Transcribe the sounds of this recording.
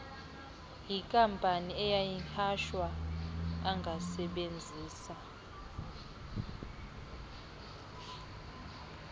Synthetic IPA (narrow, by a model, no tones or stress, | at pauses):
jikʼampʼaniɛjajihʰaʃwaː | ŋɡʱasɛɓend͡zʱiːsa